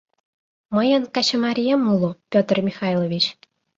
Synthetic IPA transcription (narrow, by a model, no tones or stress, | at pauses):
mə̆jə̆nkɑɕə̆maɾʲijemulˠupʲot̪rmʲixɑjlˠoʋʲit͡ɕ